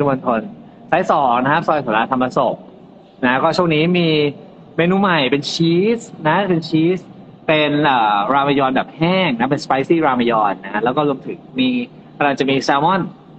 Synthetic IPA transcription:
ɯ˧mo˧nkʰo˧n | saː˦˥jsɔː˨˩˦ŋna˧˦kʰa˦˥p̚sɔː˧jt̪ʰo˩˦laː˧t̪ʰa˧ma˧so˨˩p̚ | na˦˥kɔː˥˩t͡ɕʰu˥˩ŋniː˦˥miː˧ | meː˧nuː˧ma˨˩jpe˧nt͡ɕʰiː˦˥sna˦˥pe˧nt͡ɕʰiː˦˥s | pe˧nʔəː˨˩ɾaː˧ma˧jɔː˧nbɛː˨˩p̚hɛː˥˩ŋna˦˥pe˧nspa˦˥jsiː˥˩ɾaː˧ma˧jɔː˧nːa˦˥lɛː˦˥wkɔː˥˩ɾu˧əmt̪ʰɯ˨˩˦ŋmiː˧ | kʰa˧laː˧˩t͡ɕa˨˩miː˧saː˧mɔ˥˩n

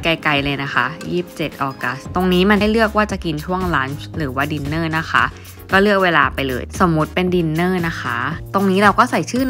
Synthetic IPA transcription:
ka˧jka˧jlɤː˧jna˦˥kʰa̰˦˥jiː˥˩p̚t͡ɕe˨˩t̪̚ʔɔː˧ka˦˥st̪o˧ŋniː˦˥ma˧na˥˩jlɯ˥˩ək̚waː˥˩t͡ɕa˨˩ki˧nt͡ɕʰu˥˩əŋlaː˦˥nɾɯː˩˦waː˥˩di˧nːɤː˥˩na˦˥xʰa̰˦˥ʔ | kɔː˥˩lɯ˥˩ək̚weː˧laː˧pa˧jlɤ̰ː˧jso˩˦mːu˦˥t̪̚pe˧ndi˧nːɤː˥˩na˦˥kʰa˦˥t̪o˧ŋniː˦˥ɾa˧wkɔː˥˩sa˨˩jt͡ɕʰɯː˥˩n

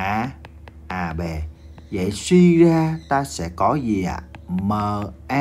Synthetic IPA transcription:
ʔaː˧ | ʔaː˧˩ɓe˨˩və̰˧˨jswi˧zaː˧t̪aː˧sɛ̰˧˥kɔ˨˦zi˨˩ʔa̰ː˧˨məː˨˩ʔa˧

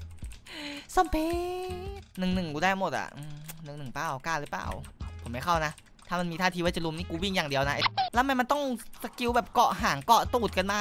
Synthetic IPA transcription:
sɔ˧˩mpʰeː˦˧˥t̪̚nɯ˨˩ŋnɯ˨˩ŋkuː˧daː˥˩˧mo˨˩t̪̚ʔa̰˨˩ʔɯː˧˩mnɯ˨˩ŋnɯ˨˩ŋpaː˧˩wkaː˥˩lɯ˦˥pla̰ː˨˩wpʰo˩˦mːa˥˩kʰa˥˩wna˦˥ʔ | t̪ʰaː˥˩ma˧nmiː˧aː˥˩iː˧aː˥˩t͡ɕa˨˩lu˧˦mniː˥˩kuː˧˦wi˥˩ŋjaː˨˩ŋdi˧əwna˦˥ʔlɛː˦˥ma˧˥jma˧nt̪ɔ˥˩ŋsa˧ki˧˥wbɛː˨˩p̚kɔ˨˩ɦaː˩˦ŋkɔ˨˩t̪uː˨˩t̪̚ka˧nmaː˥˩

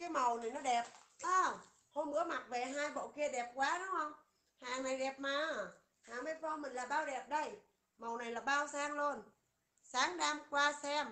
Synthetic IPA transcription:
kaː˨˦jmə˨˩wna˨˩jnɔ˨˦ɗɛ˨˩p̚ʔəː˧˩ | ho˧mɓɨ̰˧˦˥əma˨˩t̚ve˨˩ɦaː˧jɓo̰˧˨ki˧əɗɛ˨˩p̚kwaː˨˦ɗʊ˨˦ŋ͡mhə˧wŋ͡m | haː˨˩ŋna˨˩jɗɛ˨˩p̚maː˨˩ | haː˨˩ŋve˨˦t̚vɔ˧mï˨˩ŋ̟laː˨˩ɓaː˧wɗɛ˨˩p̚ɗə˧j | mə˨˩wna˨˩jlaː˨˩ɓaː˧wsaː˧ŋlu˧ən | saː˨˦ŋɗaː˧mkwaː˧sɛ˧m

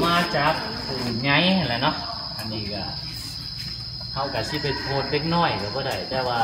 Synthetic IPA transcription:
maː˧t͡ɕaː˨˦k̚ | puː˨˩ɲa˧˦jlɛː˧˩˨nɔ˧˥ʔ | ʔa˨˩nːiː˧˩kaː˧˩ | ha˧˩wka˧˩si˧˥˨pe˧˩npʰoː˧˩t̪̚le˧˥k̚nɔː˧˩˨jkaː˨˧˩bɔː˧˦da˧˩jt̪ɛː˧˩waː˧

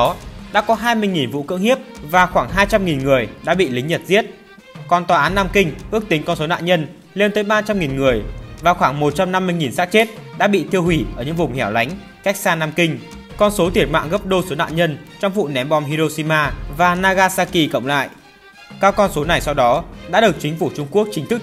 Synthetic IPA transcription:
ɗa̰ː˧˥kɔ˨˦ɦaː˧jmɨ˧əjŋi˨˩nvṵ˧˨kɨ̰˧˥əŋhi˦˥əp̚vaː˨˩xwaː˧˩ŋɦaː˧jt͡ɕa˧mŋi˨˩nŋɨ˨˩əjɗa̰ː˧˥ɓḭ˧˨lï˨˦ŋ̟ɲə˨˩t̚zi˦˥ət̚ | kɔ˧nt̪waː˨ʔaː˨˦nːaː˧mkï˧ŋ̟ʔɨ˦˥ək̚t̪ï˨˦ŋ̟kɔ˧nso˨˦na̰ː˧˨ɲə˧n | le˧nt̪əː˨˦jɓaː˧t͡ɕa˧mŋi˨˩nŋɨ˨˩əjvaː˨˩xwaː˧˩ŋmo˨˩t̚t͡ɕa˧mna˧mːɨ˧jŋi˨˩nsaː˦˥k̚t͡ɕe˦˥t̚ɗa̰ː˧˥ɓḭ˧˨t̪ʰi˧əwhwi˧˩ʔəː˧˩ɲɨ̰˧˥ŋvʊ˨˩ŋ͡mhɛ˧˩wla˨˦ŋ̟ | ka˦˥jk̚saː˧naː˧mkï˧ŋ̟ | kɔ˧nso˨˦t̪i˧˩ət̚ma̰ː˧˨ŋɣə˦˥p̚ɗo˧so˨˦na̰ː˧˨ɲə˧nt͡ɕɔ˧wŋ͡mvṵ˧˨nɛ˨˦mɓɔ˨˩mhi˧ɾo˧si˧maː˧vaː˨˩naː˧ɣaː˧saː˧ki˧˩kə̰˧˨wŋ͡mla̰ː˧˨j | kaː˧wkɔ˧nso˨˦na˨˩jsɔ˧wɗɔ˨˦ɗa̰ː˧˥ɗɨ˨˩ək̚t͡ɕï˨˦ŋ̟fu˧˩t͡ɕʊ˧ŋ͡mku˦˥ək̚t͡ɕï˨˦ŋ̟t̪ʰɨ˦˥k̚

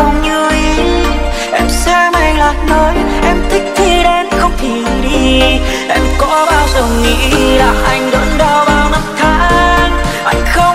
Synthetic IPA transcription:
wɲɨ˧˦ | ʔɛ˧msɛ˧mʔa˧jŋlaː˨˩t̚nɔ˨˦j | ʔɛ˧mt̪ʰï˦˥k̟̚t̪ʰi˧ɗe˧˦nxə˧wŋ͡mt̪ʰi˨˩ | ɗi˧ | ʔɛ˧mkɔ˧˥ɓaː˧wzə˨˩wŋḭ˧˥laː˨˩ʔa˧jŋ̟ɗə˨˦nɗɔ˧ɓaː˧wnə˧˥mt̪ʰaː˧˦ŋʔa˧jŋ̟xə˧

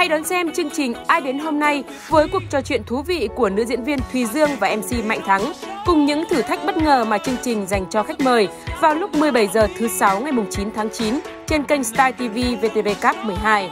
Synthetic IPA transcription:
ha˧jɗɔ˨˦nsɛ˧mt͡ɕɨ˧əŋt͡ɕï˨˩ŋ̟ʔaː˧jɗe˨˦nɦo˧mna˧j | vəː˨˦jku˨˩ək̚t͡ɕɔ˧t͡ɕwḭ˧˨ənt̪ʰu˨˦vḭ˧˨ku˧˩ənɨ̰˧˥əzḭ˧˥ənvi˧ənt̪ʰwi˨˩zɨ˧əŋvaː˨˩ʔɛ˧msi˧ma̰˧˨jŋ̟t̪ʰa˨˦ŋkʊ˨˩ŋ͡mɲɨ̰˧˥ŋt̪ʰɨ˧˩t̪ʰa˦˥k̟̚ɓə˦˥t̚ŋəː˨˩maː˨˩t͡ɕɨ˧əŋt͡ɕï˨˩ŋ̟za˨˩jŋ̟t͡ɕɔ˧xa˦˥jk̟̚məː˨˩jvaː˨˩wlʊ˦˥k͡p̚mɨ˨˩əjɓə˧˩jzəː˨˩t̪ʰɨ˨˦sa˨˦wŋa˨˩jmʊ˨˩ŋ͡mt͡ɕi˨˦nt̪ʰaː˨˦ŋt͡ɕi˨˦n | t͡ɕe˧nka˧jŋ̟st̪aː˧jt̪i˧vi˧ve˧t̪e˧ve˧kaː˦˥p̚m˨˩əjɦaː˧j

